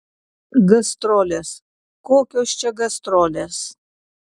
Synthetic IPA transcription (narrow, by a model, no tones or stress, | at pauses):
ɡɐst̪ɾolʲeːs | koːkʲoːst͡ʃɛɡɐst̪ɾoːlʲes